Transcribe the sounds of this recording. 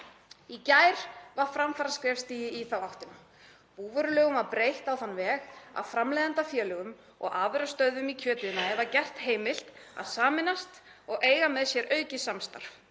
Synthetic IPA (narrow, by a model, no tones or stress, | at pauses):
icajɾ̥vaɾ̥fɾamfaɾaskɾɛːfst̪iːjɪiθawawht̪ɪna | puːvœɾʏlœːɣʏmvaɾpɾeːjht̪awθanːvɛːɣa̰wfɾamlejðant̪afjœːlʏɣʏm | ɔ̰ɣaːvʏɾast̪œɥðʏmicʰœːt̪ɪðɪnaɛvacɛr̥t̪heːjmɪl̥t̪a̰ðsaːmɪnast̪ɔɣʔeːjɣamɛðsjɛɾʔœːɥcɪsamst̪a̰ɾr̥f